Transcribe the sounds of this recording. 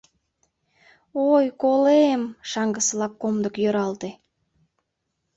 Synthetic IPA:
ojkolemʃɑŋɡəsəlɑkːomd̪əkjøɾɑlt̪e

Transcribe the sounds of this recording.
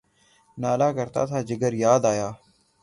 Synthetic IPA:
naːlaːkəɾt̪a̰ːt̪ʰaːd͡ʒɪɡəɾjaːd̪aːjaː

